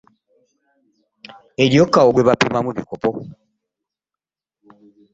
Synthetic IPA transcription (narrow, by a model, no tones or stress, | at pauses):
eɾjokːaoɡweβapimamuβikopo